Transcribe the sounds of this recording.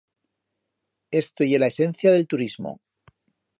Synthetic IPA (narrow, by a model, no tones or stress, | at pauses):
e̞st̪oje̞laesẽ̞n̟θjaðe̞lt̪uɾizmo̰